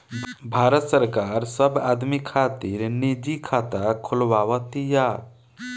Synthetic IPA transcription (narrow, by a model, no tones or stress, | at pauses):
bʱaɾət̪səɾkaɾsəbad̪mikʰat̪iɾnid͡ʒikʰat̪akʰulʋawət̪ija